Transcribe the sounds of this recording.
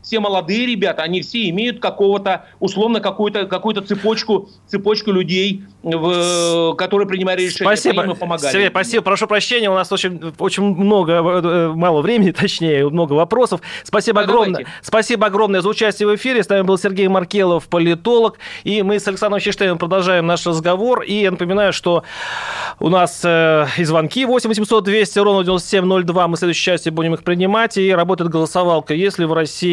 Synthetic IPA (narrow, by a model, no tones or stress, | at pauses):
fsʲeməlˠɐd̪ɨjəɾʲɪbʲat̪əɐnʲifsʲeɪmʲejʊt̪̚kɐko̞vət̪əʊslˠo̞vnəkɐkujʊt̪əkɐkujʊt̪ət̪sɨpot͡ɕkʊ | t̪sɨpo̞t͡ɕkʊlʲʉdʲej | vkɐt̪o̞ɾɨjəpɾʲɪnʲɪmajɪt̪ɾʲɪʂɛpɐsʲibəmpəmɐsɡaɪrɡʲejpɾɐsʲibəpɾɐʂupɾɐɕːenʲɪjəʊnasot͡ɕɪnʲo̞t͡ɕɪnʲmno̞ɡəmɑlˠəvɾʲemɪnʲɪt̪ɐt͡ɕnʲejəmno̞ɡəvɐpɾo̞səfspɐsʲibəɐɡɾomnəspɐsʲibəɐɡɾo̞mnəjəzəʊt͡ɕæsʲtʲɪjəvɨfʲiɾʲɪsnamʲɪbɨlˠsʲɪrɡʲejmɐrkʲelˠəfpəlʲɪt̪o̞lˠəkimɨsɐlʲɪksand̪ɾəmɕɪʂt̪enəmpɾəd̪ɐlˠʐajɪmnaʂrəzɡɐvo̞rijanəpəmʲɪnajʊʂt̪o̞ | ʊ̰nasəɪzvɐnkʲivo̞sʲɪmʲvəs̬ʲɪmso̞t̪̚d̪vʲesʲtʲɪɾovnədʲvʲɪnost̪əsʲemʲno̞lʲd̪vamɨslʲed̪ʊɕɪt͡ɕæsʲtʲjɪbudʲɪmɨxpɾʲɪnʲɪmatʲɪiɾɐbo̞t̪əɪt̪̚ɡəlˠəsɐvɑlˠkəjesʲlʲɪvrɐsʲi